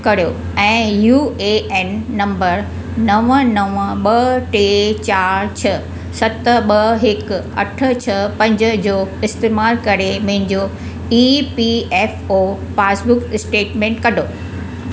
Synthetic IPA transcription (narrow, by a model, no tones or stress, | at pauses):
kɐɾijo | ɛ̃ːjuːeɛːnːɐ̃mbəɾ | nɐʋənɐʋəɓɐʈeːt͡ɕaːɾt͡ɕʰɐ | sɐt̪əɓɐɦɪkɐ̰ʈʰə̆t͡ɕʰɐpɐ̃ɲd͡ʑə̆d͡ʑoːɪst̪eːmaːlkɐɾemɐ̃ɦɪ̃ɲd͡ʑo | iːpiɛːfoː | faːsbʊksʈeːʈmẽːɳʈkɐɖʱoː